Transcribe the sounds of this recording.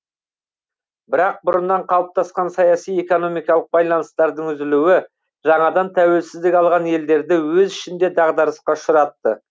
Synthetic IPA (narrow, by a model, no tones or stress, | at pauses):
bɪɾɑq̚bʊɾənːɑɴqʰɑlˠəp̚t̪ʰɑsqɑnsɑjɑsije̞ko̞no̞mijkɑlˠəq̚bɑjlˠɑnəst̪ɑɾd̪əŋʏzɪluwɪ | ʒɑɴɑd̪ɑnt̪ʰæwe̞lsɪzd̪ɪkʲɑlˠʁɑne̞ld̪e̞ɾd̪ɪwɵzɪʃɪnd̪e̞d̪ɑʁd̪ɑɾəsqɑʃʊɾɑt̪ːə